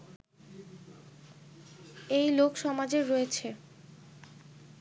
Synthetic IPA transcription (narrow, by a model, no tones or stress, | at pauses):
ejlokʃɔmad͡ʑeɾɔet͡ɕʰe